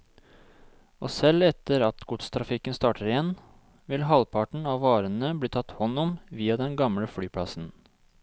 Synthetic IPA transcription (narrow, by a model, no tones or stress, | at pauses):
o̰ːsɛlɛt̪əɾɑt̪ɡʊt̪st̪ʰɾɑfɪkənst̪ɑːʈʰəɾɪjɛn | ʋɪlɦɑlpʰɑʈɳ̩ɑːʋʋɑːɾənəbliːt̪ʰɑt̪hɔnːʊmʋiːɑd̪ɛnɡɑmɽəfɽyːpʰɽɑsn̩